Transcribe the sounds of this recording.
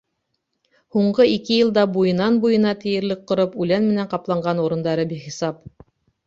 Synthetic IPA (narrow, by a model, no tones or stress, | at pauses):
huɴɢɤikɘjɤ̆lˠd̪ɑbujɤ̆nɑnbujɤ̆nɑt̪ɘ̆jɘ̆ɾlɘk̚qŏɾɤpʉlænmɘ̆næɴqɑplˠɑɴɢɑnuɾɤ̆nd̪ɑɾɤbiχisɑp